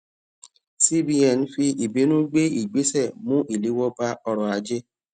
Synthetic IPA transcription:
si˦bi˧ɛ̃˨n̩˦fi˧i˨bi˨˦nũ˦ɡ͡be˦i˦˨ɡ͡be˨˦sɛ˦˨mũ˦ʔi˦˨li˨˦wɔ˦ba˧ɔ˧ɾɔ˨a˨˦d͡ʒe˦

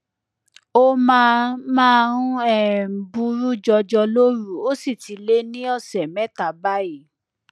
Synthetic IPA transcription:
o˦mãː˦mãː˦ɾũ˦ɛ˦˨m̩˨bu˧ɾu˦d͡ʒɔ˧d͡ʒɔ˧lo˦ɾu˦˨o˦si˦˨ti˨˦le˦nĩ˦ɔ˦˨sɛ˨mɛ˦ta˨ba˦i˦˨

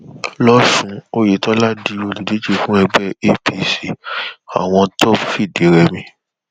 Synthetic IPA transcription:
lɔ˦ʃũ˦o˧˦je˨˦tɔ˦la˦di˦˧˦o˧li˨di˨˦d͡ʒe˦˧fũ˦ɛ˧ɡ͡bɛ˦˨e˦pi˧si˨a̰˨w̃ɔ̃˧tɔ˦˨pfi˦˨de˨˦ɾɛ˧mĩ˧

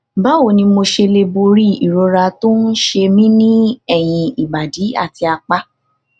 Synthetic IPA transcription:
ba˦wo˦˨nĩ˧mo˧ʃe˧le˧bo˧ɾi˦i˨ɾo˧ɾa˧to˦n̩˦ʃe˧mĩ˦nĩ˦ɛ˦˨j̃ĩ˧i˨ba˨di˨˦a̰˦˨ti˧a˧k͡pa˦

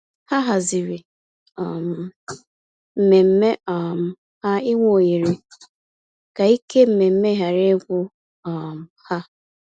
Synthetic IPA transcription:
ha˦ɦa˨zi˨ɾi˨ | ɔ˨m̩˨ | m̩˨me˨m̩˦me˦ɔ˨m̩˨ | ha˦i˦ŋʷo˦o˨ji˨ɾe˨ | ka˨i˦ke˦m̩˨me˨m̩˦me˦ɦa˨ɾe˦ɡʷʊ˦ | ɔ˨m̩˨ha˦

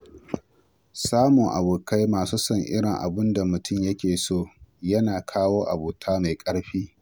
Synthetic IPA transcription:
saː˦mʊ˨ŋʔa̰˨buː˨ka˦jmaː˨suː˦sɐ˦ŋʔɪ̰˦ɽɪ˨ŋʔa̰˨bʊ˦nda˨mʊ˨tʰʊ˦˨mjɐ˦kʲeː˨soː˦˨jɐ˦naː˨kʰaː˦woː˦ʔa̰˨buː˨tʰaː˦ma˨jkʼɐ˦ɽɸiː˦

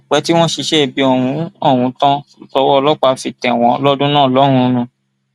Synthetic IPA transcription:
k͡pɛ˨˧˦ti˦w̃ɔ̃˦ʃi˧ʃe˦e˨bi˨˧ɔ˨wũ˨˦ɔ˦˨w̃ũ˨˧˦tã˦˨tɔ˧˦wɔ˦˧lɔ˦k͡pa˧fi˧tɛ̃˨w̃ɔ̃˧˦lɔ˦dũ˦nãː˦˨lɔ˨˦ɾ̃ũ˧nũ˧

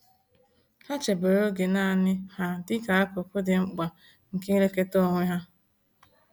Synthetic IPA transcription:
ha˦t͡ʃe˨be˨ɾo˦ɡe˨na˦˨nɪ˦ha˦dɪ˦ka˨a˦ko˨kʷʊ˦dɪ˨ŋ͡m̩˦k͡pa˨ | ŋ̩˨ke˦i˦ɾe˦ke˦to˦˨ŋʷe˦ɦa˦

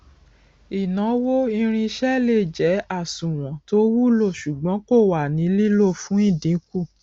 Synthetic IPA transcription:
i˨nã˨˦wo˦i˧ɾ̃ĩ˧i˧ʃɛ˦le˦˨d͡ʒɛ˨˦a˦˨sũ˨w̃ɔ̃˨to˦wu˦lo˦˨ʃu˨ɡ͡bɔ̃˨˦ko˦˨wa˨nĩ˨˦li˦lo˦˨fũ˨˦i˦˨dĩ˨˦ku˦˨

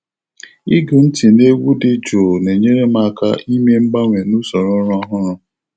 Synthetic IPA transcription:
i˦ɡʊ˨n̩˦ti˨ne˦ɡu˦dɪ˦d͡ʒo˨ne˨ɲe˦ɾe˦ma˦˨ka̰˦ʔi˦m˦e˦m̩˦ba˦ŋʷe˨nu˦sɔ˨ɾɔ˦ɾʊ˦a˦ɦʊ˦ɾʊ˨

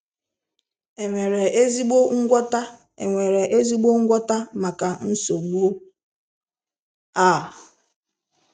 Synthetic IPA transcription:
e˨ŋʷe˨ɾe˨e˦zi˦ɡ͡bo˦ŋ̩˦ɡʷɔ˦ta˦ | e˨ŋʷe˨ɾe˨ʔe˦zi˦ɡ͡bo˦ŋ̩˦ɡʷɔ˦ta˦ma˨ka˨n̩˦so˨ɡ͡bu˦ | a˦˨

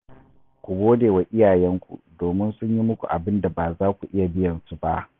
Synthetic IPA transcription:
kʷu˨ɡʷoː˦deː˨wa˨ʔɪ˦jaː˨jɛ˦ŋkʷṵ˨doː˨mɪ˦nsʊ˦ɲji˦mʊ˦kʷṵ˨ʔa˨bɪ˦nda˨baː˨zaː˦kʷu˨ʔɪ˦ja˨bɪ˦jɐ˨nsu˦ba˦ʔ

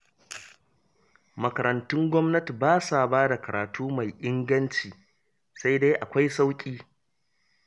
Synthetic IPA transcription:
mɐ˨kɐ˨ɾɐ˨ntʊ˦ŋɡʷɔ˦mnɐ˦ti˨baː˦sa˨baː˦da˨kɐ˨ɾʔaː˨tʰuː˦ma˨jʔɪ˦ŋɡɐ˦nt͡ʃiː˨ | sa˦jda˦jʔa˨kʷa˦jsa˦wkʲʼiː˦

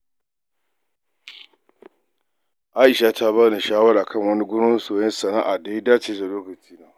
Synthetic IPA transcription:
ʔa˦ʔɪ˨ʃa˦tʰa˦βaː˦ni˨ʃaː˦wɐ˦ɾaː˨kʰɐ˦˨ŋwɐ˦ni˦ɡʷʊ˦no˦soː˨jɛ˦nsɐ˨na̰ː˦ʔa˨da˦daː˦t͡ʃeː˦za˨loː˦kɐ˨t͡ʃiː˦naː˦

